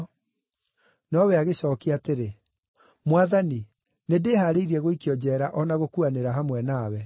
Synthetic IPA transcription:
nɔwɛaɣeɕɔkiateɾe | mwaðani | nedeːhaːɾeiɾiɛɣoikiɔd͡ʑɛːɾaʔɔnaɣokuaneɾaɦamwɛnaːwɛ

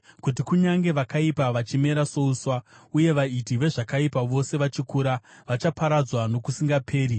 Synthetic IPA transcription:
kut̬ikuɲaŋɡe̞ʋakaipaʋat͡ʃime̞ɾaso̞uswauje̞ʋaitiʋe̞ʐakaipaʋo̞se̞ʋat͡ʃikuːɾaʋat͡ʃapaɾad͡zwano̞kusiŋɡapʰe̞ːɾi

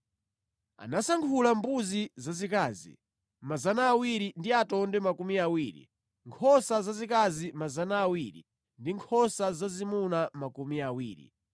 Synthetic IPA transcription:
a̰nasaŋkʰulambuzizazikaːzḭ | mazanaːwiɾindiatɔndɛmakumiawiːɾḭ | ŋkʰɔsazazikazimazanaːwiɾḭ | ndiŋkʰɔsazazimunamakumiawḭːɾḭ

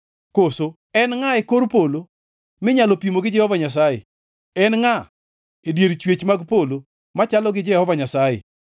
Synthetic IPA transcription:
koso | ɛnŋaekoɾpolo | mɪɲalopimoɡɪd͡ʒɛhɔvaɲas̬ajḛ | ɛnŋa | edjeɾt͡ʃwet͡ʃmaɡpolo | mat͡ʃalɔɡɪd͡ʒɛhɔvaɲasajḛ

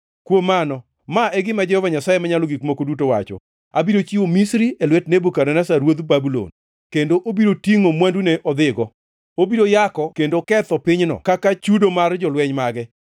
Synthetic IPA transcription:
kwomanɔ | maʔɛɡɪmad͡ʒɛhɔvaɲasajemaɲalɔɡikmokodutowa̰t͡ʃɔ̰ | a̰bidot͡ʃiwomisɾielwɛtnebukaɾɛnasaɾwod̪ubabulo̰n | kendoʔobidotiŋomwanduneʔɔd̪ɪɡɔ | obidojakɔkendokɛt̪ɔpɪɲnɔ̰kakat͡ʃudomard͡ʒɔlwɛɲmaɡɛ

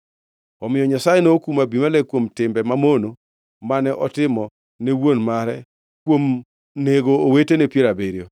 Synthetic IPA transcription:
ɔmɪjɔɲasajenokumabimalɛkwomtɪmbɛmamono | manɛʔɔtɪmɔ | newonmaɾɛ | kwom | neɡoːwetenepjeɾabeɾjo

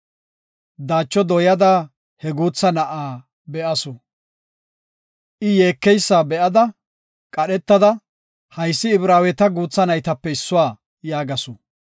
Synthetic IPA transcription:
d̪aːt͡ʃːɔd̪ɔjɐd̪a | hɛɡuːt͡sːɐnɐʔaː | bɛʔɐsɔ | ʔɪje̞ːkːɛjsːaːbɛʔɐd̪ɐ | kʼɐɗɛt̪ːɐd̪ɐ | hɐjsːɪːbɾaːwɛt̪ɐɡuːt͡sːɐnɐjt̪ɐpːɛɪsːʊwaː | jaːɡɐsɔ

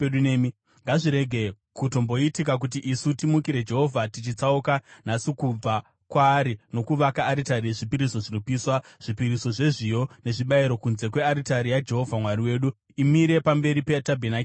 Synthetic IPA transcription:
eɗuneːmi | ŋɡaʐiɾe̞ɡʱe̞ | kuto̞mbo̞itikak̬ut̬iʔisutimukiɾe̞d͡ʒe̞ɦo̞vʱatit͡ʃit͡saukanasikub͡va | kwaːɾino̞kuʋakaːɾitaɾieʐipiɾiso̞ʐinopiːswaʐ̥ipiɾiso̞ʐe̞ʐijone̞ʐiɓaiɾo̞kunze̞kwe̞aɾitaɾijad͡ʒe̞ɦo̞vʱamwaɾiwe̞ːɗu | imiɾe̞pambe̞ɾipetabʱenaki

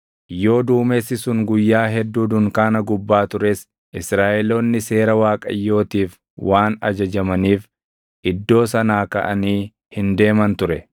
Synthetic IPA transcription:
jo̞ːd̪uːmesːɪsʊŋɡʊjːaːɦɛd̪ːuːd̪ʊŋkaːnɐɡʊbːaːt̪ʊɾɛs | ʔɪsɾaːʔɛlo̞ːnːɪse̞ːɾɐwaːkʼɐ̰jːo̞ːt̪iːf | wʔaːnɐd͡ʒɐd͡ʒɐmɐniːf | ʔɪd̪ːo̞ːsɐnaːkɐ̰ʔɐniː | hɪnd̪e̞ːmɐnt̪ʊɾɛ

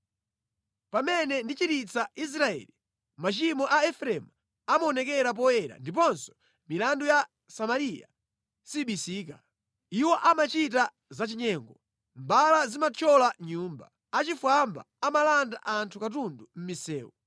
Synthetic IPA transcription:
pamɛnɛndit͡ʃiɾit͡sais̬ɾaɛ̰li | mat͡ʃimɔʔaɛfɾɛm | amaɔnɛkɛɾap̬ɔjɛɾa̰ndip̬ɔnsɔ̥ | milanduja | samaɾija̰ | siɓisiːka | iwɔʔamat͡ʃit̬a | zat͡ʃiɲɛːŋɡɔ | mbalazimat͡ʃʰɔlaɲuːmba̰ | at͡ʃifwamba̰amalandaʔantʰukatundum̩misɛ̰ːwɔ̰

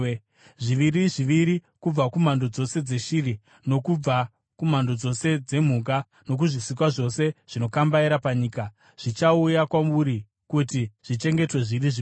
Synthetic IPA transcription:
ʐiʋiɾiʐiʋiɾi | kub͡vakum̤ando̞d͡zo̞se̞d͡ze̞ʃiri | no̞kub͡va | kum̤ando̞d͡zo̞se̞d͡ze̞m̤uɡ̬a | no̞k̬uʐisik̬waʐo̞se̞ʐ̥ino̞kambaiɾapaɲiːka | ʐ̥it͡ʃaujakwamuɾi | kutiʐ̥it͡ʃe̞ŋɡe̞twe̞ʐiriʐi

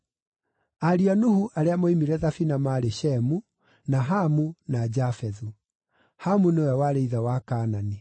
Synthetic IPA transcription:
aɾianuhuʔaɾeamɔimiɾɛðafinamaɾeɕɛmu | naɦamunad͡ʑafɛðu | hamunewɛwaɾeiðawakaːnani

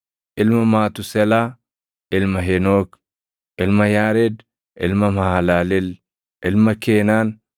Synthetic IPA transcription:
ʔɪlmɐmaːt̪ʊsɛlaː | ɪlmɐɦɛnoːk | ʔɪlmɐjaːɾeːd̪ | ʔɪ̰lmɐmalaːlɛl | ʔɪlmɐkeːnaːn

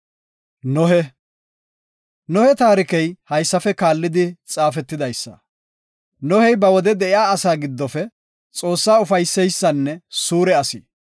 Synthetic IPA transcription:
nɔɦɛ | nɔhɛt̪aːɾɪkɛjhɐjsːɐfɛkaːlːɪd̪ɪt͡sʼaːfɛt̪ːɪd̪ɐjsːɐ̰ | nɔhɛjbɐwɔd̪ɛd̪ɛʔɪjaːɐsaːɡɪd̪ːɔfɛ | t͡sʼo̞ːsːaːʊfɐjsːɛjsːɐnːɛsuːɾɛɐsi

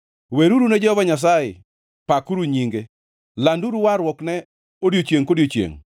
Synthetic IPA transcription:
weɾuɾuned͡ʒɔvaɲas̬ajɪ̰ | pakuɾuɲiŋɡe | landuɾuwaɾwɔknɛ | odjot͡ʃjeŋkodjot͡ʃjḛŋ

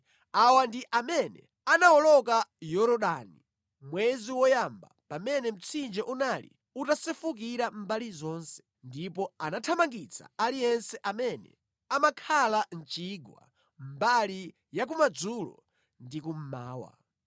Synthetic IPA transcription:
awandiʔamɛnɛ̰ | anawɔlɔk̬ajɔɾɔɗani | mwɛziwɔjamba̰pamɛnɛm̩t͡sʰind͡ʒɛʔunalḭ | utasɛfuk̬iɾambalizɔːnsɛ̥ | ndipɔanatʰamaŋɡit͡sʰa̰alijɛnsɛʔamɛnɛ̰ | amakʰalan̩t͡ʃiːɡwa̰ | mbali | jak̬umad͡zulɔ̰ | ndikum̩ma̰ːwa̰

